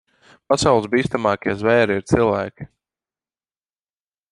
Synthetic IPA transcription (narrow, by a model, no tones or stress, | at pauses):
pasawlˠɨszbiːst̪amɑːkʲiɛzvɛːɾiiɾt̪silˠvæːkʲi̥